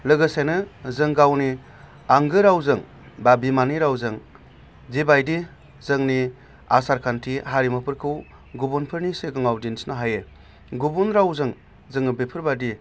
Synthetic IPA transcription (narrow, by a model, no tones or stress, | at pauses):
lɯɡɯsajnɯzɯŋɡawni | aŋɡɯɾawzɯŋ | babimaniɾawzɯŋ | zibajdi | zɯŋni | asaɾkʰantʰiɦaɾimɯpʰɯɾkʰɯw | ɡubunpʰɯɾniseɡɯŋawdinsnaɦaje | ɡubunɾawzɯŋ | zɯŋɯbepʰɯɾbadi